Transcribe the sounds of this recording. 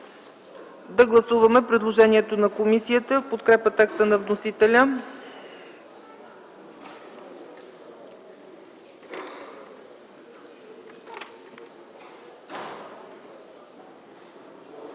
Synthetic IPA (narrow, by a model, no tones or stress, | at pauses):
d̪ɐɡlˠɐsuvɐmɛpɾid̪lˠoʒɛniɛt̪onɐkomisiət̪əfpot̪kɾɛpət̪ɛkst̪ənɐvnosit̪ɛlʲə